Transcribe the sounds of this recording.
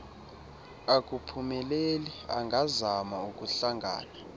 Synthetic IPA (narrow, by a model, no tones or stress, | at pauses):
ak̬ʼupʰumɛlelia̰ŋɡʱazamauk̬ʼuɬaŋɡʱa̰ːna